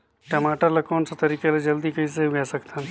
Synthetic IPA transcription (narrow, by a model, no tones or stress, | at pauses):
ʈɐmaːʈəɾlɐkɔːnset̪ɐɾiːkeled͡ʒɐld̪ikɐɦĩs̬eɦuɡɛsɐkt̪ʰan